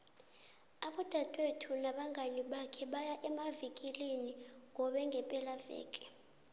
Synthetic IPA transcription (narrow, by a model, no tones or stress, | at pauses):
aɓɔd̥ʱatʼwetʰunaɓaŋʱaniɓakʰɛɓajaʔɛmavikʼiliniŋʱɔɓɛŋɡʱɛpʼɛlavɛ̰ːkʼɛ̥